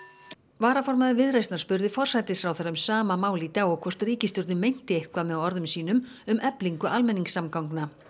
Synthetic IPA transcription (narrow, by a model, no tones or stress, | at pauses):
vaːɾafɔɾmaðʏɪvɪðɾejst̪naɾspʏɾðɪfɔr̥sajt̪ɪsfɾawθaɾaʏmsaːmamaːwlit̪aɔɣkʰvɔr̥t̪riːcɪst̪ʏɾðɪmejn̥t̪ɪehkvamɛɔɾðʏmsiːn̪ʏmʏmʔɛpliŋkʏʔalmɛniŋksamkawŋkna